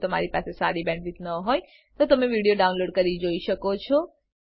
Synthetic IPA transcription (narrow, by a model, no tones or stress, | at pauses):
t̪əma̰ɾipasesa̰ɾibɛ̃ɳʈʋit̪nəɦoj | t̪ot̪əmeʋiɽijoɖaunloɖkəɾid͡ʒoiʃəkot͡ʃʰɔ